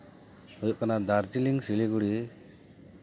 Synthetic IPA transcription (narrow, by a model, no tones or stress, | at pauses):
ɔjɔʔkanad̪aɾd͡ʒiliŋsiliɡuɽi